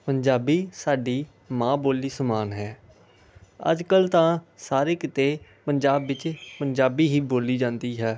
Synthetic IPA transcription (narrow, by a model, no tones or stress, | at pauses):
pəɲd͡ʒaːbiːsaːɖiː | mãːboːliːsəmaːnɦɛː | ə̰d͡ʒkəlt̪ãːsaːɾeːkɪt̪eːpənd͡ʒaːbːɪt͡ʃpəɲd͡ʒaːbiːɦiːboːliːd͡ʒãːnd̪iːɦɛː